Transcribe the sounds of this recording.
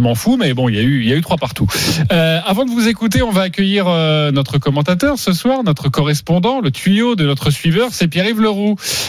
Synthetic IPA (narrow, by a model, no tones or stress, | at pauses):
mɑ̃fumɛbɔ̃iljayiljayt̪χwapaʁt̪uøavɑ̃d̪əvuzekut̪̬eɔ̃vaːkʲəjiʁønɔt̪χəkɔmɑ̃t̪at̪œʁsəswaʁnɔt̪χəkɔʁɛspɔ̃d̪ɑ̃lət̪ɥijod̪ənɔt̪χəsɥivœʁsɛpjeʁivləʁu